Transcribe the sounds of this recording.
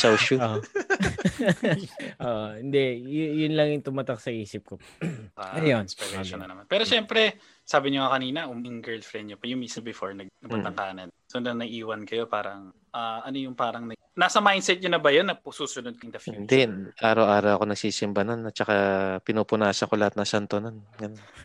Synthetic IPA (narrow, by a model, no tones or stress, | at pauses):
sawʃuoʔ | ʔoʔohɪnd̪ɛjjʊnlɐŋjʊŋt̪ʊmɐt̪ak̚sɐʔiːsɪp̚ko | ʔaɐjonspɛɾɛɐʃonɐnɐmanpɛːɾoʃɛmpɾɛ | saːbɪɲoŋɐkɐniːnɐʔʊmɪŋɡɛɹlfɾɛnd̪̚ɲopɐjʊŋmiːsɐnbɪfoɹnɐɡnɐɡ̚bɐt̪ɐŋkaːnɐnsonɐnɐʔiːwɐnkɐjo̞paːɾɐŋ | ʔaːʔɐnojʊŋpaːɾɐŋnɐ | naːsɐmajnd̪sɛt̪̚ɲʊnɐbɐjonːɐpsuːsʊnod̪̚kɐɪŋd̪ɐfjɪund̪ɛʔaːɾɐwʔaːɾɐwɐko̞nɐɡ̥siːsɪmbɐnonːɐt͡ʃɐkapɪnuːpʊnaʃɐkolɐhat̪̚nɐʃɐnt̪ononɡɐnnn